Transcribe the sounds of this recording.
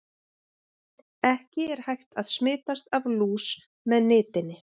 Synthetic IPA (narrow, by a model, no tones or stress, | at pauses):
ɛhcɪɛɾ̥hajxt̪aðsmɪːt̪ast̪avluːs | mɛðnɪːt̪ɪnːɪ